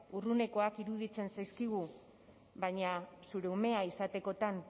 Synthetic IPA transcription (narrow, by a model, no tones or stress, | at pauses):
urune̞ko̞akiɾuðit͡se̞nsajskiɣu | baɲasuɾeume̞aisat̪e̞ko̞t̪an